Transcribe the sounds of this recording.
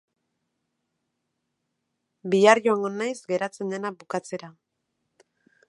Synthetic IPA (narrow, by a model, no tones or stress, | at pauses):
biaɾjoaŋɡonːajzɡe̞ɾat͡se̞nd̪e̞nabukat͡se̞ɾa